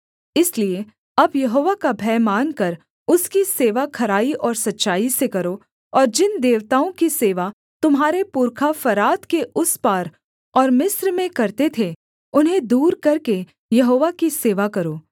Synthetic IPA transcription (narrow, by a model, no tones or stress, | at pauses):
ɪslie | ɐbjɐɦoːʋakabʱɛːmaːnkɐɾ | ʊskiseːʋakʰɐɾaːiʔɔːɾsɐtːʃaːisekɐɾo | ɔːɾd͡ʒɪnd̪eːʋt̪aːõkiseːʋa | t̪ʊmɦaːɾepuːɾkʰafɐɾaːt̪keʔʊspaːɾ | ɔːɾmɪsɾmẽkɐɾt̪et̪ʰe | ʊnɦẽd̪uːɾkɐɾke | jɐɦoːʋakiseːʋakɐɾoː